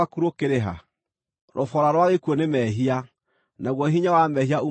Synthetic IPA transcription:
akuɾokeɾeɦa̰ | ɾʔɔfɔɾaɾwaɣekwɔnemɛɦia | naɣwɔɦiɲawamɛhiau

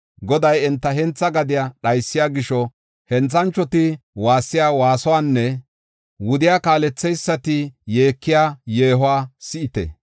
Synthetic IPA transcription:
ɡɔd̪ɐjɛnt̪ːɐɦɛnt͡sːɐɡɐd̪ɪjaɗɐjsːɪjaːɡɪʃɔ | hɛnt͡sːɐnt͡ʃːɔt̪ɪwaːsːɪjaːwaːsɔwaːnːɛ | wʊd̪ɪjaːkaːlɛt͡sːɛjsːɐt̪ɪje̞ːkːɪjaːjeːɦʊwaːsɪʔɪt̪ɛ̰

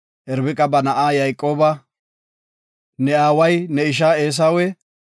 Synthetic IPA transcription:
ʔɛɾbɪkʼɐbɐnɐʔaːjɐjkʼːo̞ːbɐ | nɛaːwɐjnɛɪʃ̬aːeːs̬aːwɛ

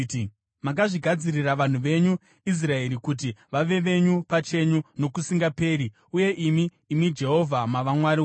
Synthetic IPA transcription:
mak̬aʐiɡʱad͡ziriraʋan̤uʋe̞ɲu | is̬rae̞ɾikut̬iʋaʋe̞ʋe̞ɲupat͡ʃe̞ɲuno̞kusiŋɡape̞ːɾi | uje̞ʔimiː | mid͡ʒe̞ɦo̞vʱamaʋamwaɾi

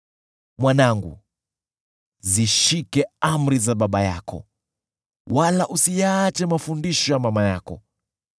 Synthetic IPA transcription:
mwanaŋɡṵ | ziʃikɛam̩ɾizaɓaɓaja̰kɔ̰ | walaʔusijaːt͡ʃɛmafundiʃɔjamamajakɔ̰

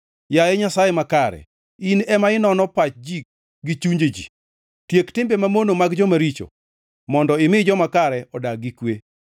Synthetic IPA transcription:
jaeɲasajemakaɾɛ̰ | inɛmaɪnɔnɔpat͡ʃd͡ʒik̚ | ɡit͡ʃuɲd͡ʒed͡ʒḭ | tjektɪmbemamonomaɡd͡ʒɔmaɾit͡ʃo̰ | mɔndɔɪmɪd͡ʒɔmakaɾɛʔɔdaɡikwe

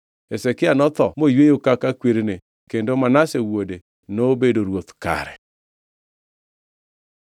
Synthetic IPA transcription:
ɛsɛkɪanɔt̪ɔmojwejokakakweɾene | kendomanasewwode | nobedoɾwotka̰ɾɛ̰

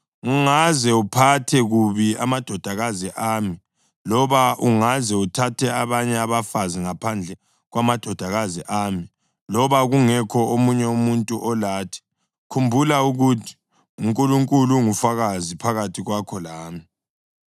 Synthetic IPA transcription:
uŋazɛupʰatʰɛɣuβiamad̥ʱɔd̥ʱaɣaziʔami | lɔβaʔuŋazɛutʰatʰɛaβaɲɛaβafaziŋapʰand͡ɮʱɛ | ɣwamad̥ʱɔd̥ʱaɣaziʔaːmi | lɔβaɣuŋɛkʰɔomuɲɛumuntʼuʔɔlaːtʰɛ̥ | kʰumbʱulauɣutʰi̥ | uŋkʼuluŋkʼuluŋufaɣazipʰaɣatʰiɣwakʰɔlaːmi

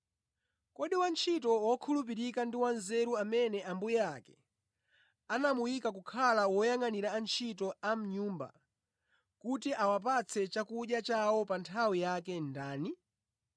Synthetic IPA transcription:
kɔɗiwant͡ʃʰitɔwɔkʰulup̬iɾikandiwanzɛɾuamɛnɛambujɛakɛ̥ | anamujikakukʰalawɔjaŋaniɾaːnt͡ʃʰitɔam̩ɲuːmba̰ | kutiʔawap̬at͡sʰɛt͡ʃakuʄjat͡ʃawɔpantʰawijakɛndaːni

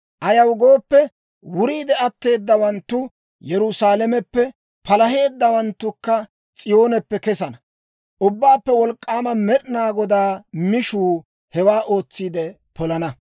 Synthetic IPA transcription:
ʔɐjɐwɡo̞ːpːɛ | wʊɾiːd̪ɛɐt̪ːe̞ːd̪ːɐwɐnt̪ːʊ | jɛɾʊsaːlɛmɛpːɛ | pɐlɐɦe̞ːd̪ːɐwɐnt̪ːʊkːɐ | t͡sʼɪjo̞ːnɛpːɛkɛsɐnɐ | ʔʊbːaːpːɛwɔlkʼːaːmɐmɛɗnaːɡɔd̪aːmɪʃuː | hɛwaːʔo̞ːt͡sːiːd̪ɛ | pɔlɐnɐ

